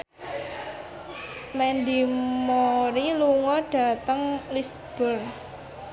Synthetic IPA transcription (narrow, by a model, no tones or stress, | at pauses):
mɛnd̪imoɾiluŋɔɖ̥ä̤t̪əŋlisb̥ər